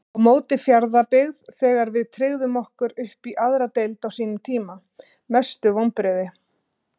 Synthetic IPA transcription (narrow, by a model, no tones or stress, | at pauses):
awmoːwt̪ɪfjaɾðapɪɣðθɛːɣaɾvɪðt̪ʰɾɪɣðʏmɔhkʏɾʏhpiʔaðɾat̪ejlt̪awsiːnʏmt̪ʰiːma | mɛst̪ʏvowmpɾɪːðɪ